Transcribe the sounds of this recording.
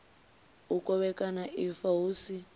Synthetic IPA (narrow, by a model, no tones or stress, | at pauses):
ukʼɔβɛkʼanaʔifaɦuːsi